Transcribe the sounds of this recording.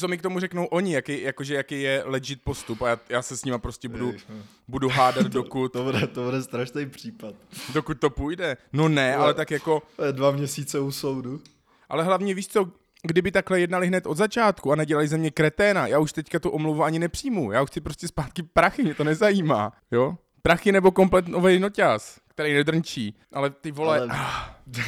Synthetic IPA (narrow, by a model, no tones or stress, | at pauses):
t͡so̞mɪkt̪o̞murɛkno̞wʔo̞ɲɪjakɛjjakoʒɛjakɛjjɛlɛd͡ʒɪt̪̚po̞st̪upajaːjaːsɛsɲɪmapɾoscɛbudu | buduɦaːdat̪dokut̪budɛt̪obudɛst̪ɾaʃnejpr̥iːpat̪̚dokut̪̚t̪ːo̞pujdɛno̞nɛʔalɛt̪akjako̞oɛdvamɲɛsiːt͡sɛusowdu | ʔa̰lɛɦlavɲɛviːʃt͡so̞ | ɡdɪbɪt̪aklɛjɛdnalɪɦnɛt̪ʔod̪zat͡ʃaːt̪kuanɛɟɛlalɪzɛmɲɛkɾɛt̪ɛːnajaːuʃt̪ɛckat̪oʔomluvuaɲɪnɛpr̝̥ijmujaːxt͡sɪpɾo̞scɛspaːt̪kɪpɾaxɪmɲɛt̪o̞nɛzajiːma̰ː | jo | pɾaxɪnɛbo̞ko̞mplɛt̪novɛjnocaskt̪ɛɾɛjnɛd̪r̩ɲt͡ʃiː | ʔalɛt̪ɪvo̞lɛa